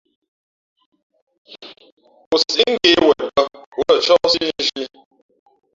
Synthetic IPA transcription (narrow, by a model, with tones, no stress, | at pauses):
ʊ˨ssi˦ŋ̩˦ɡe˨˦we˨pə˦wə˦˨t͡ʃɔ˦si˦ʒi˦